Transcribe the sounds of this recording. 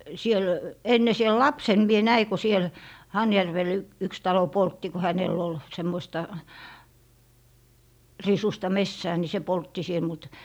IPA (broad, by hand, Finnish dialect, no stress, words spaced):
siel enːe siel lɑpsen mie næi ko siel hɑjærʋel yks tɑlo poltːi ko hæneˑl ol semːoĭstɑ risustɑ mesːæː ni se poltːi siel mut